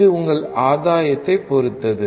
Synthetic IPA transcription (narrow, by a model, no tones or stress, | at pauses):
ɯʊŋɡɐɭaːðaːjɐt̪ːɐɪpːɔɾɯt̪ːɐðɯ